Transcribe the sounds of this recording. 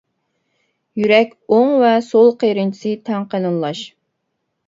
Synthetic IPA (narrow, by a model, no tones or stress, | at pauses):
jyɾɛkʲoŋvɛsolˠqʰeɾɪnt͡ʃʰi̥sɨt̪ʰɛŋqənɨnlˠɑʃ